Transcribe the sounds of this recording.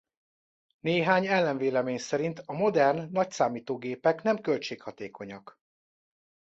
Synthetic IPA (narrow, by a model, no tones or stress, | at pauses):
neːɦaːɲɛlːɛɱveːlɛmeːɲsɛɾint̪ɒmo̞d̪ɛrnːɒcsaːmiːt̪oːɡeːpɛkn̪ɛmkølt͡ʃeːkhɒt̪eːko̞ɲɒk